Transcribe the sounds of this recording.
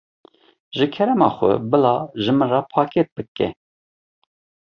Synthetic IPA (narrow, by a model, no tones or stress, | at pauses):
ʒɨkʰɛɾɛmɑ̰ːxʷɛ̰bɨlɑːʒɨmɨnrɑpʰɑːkɛt̪̚bɨkɛ̰